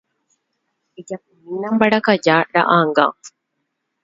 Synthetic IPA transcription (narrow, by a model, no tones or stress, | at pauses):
id͡ʒɐpuminːɐmbɐɖɐkɐd͡ʒaːɖɐ̰ʔaːŋɡa̰ŋ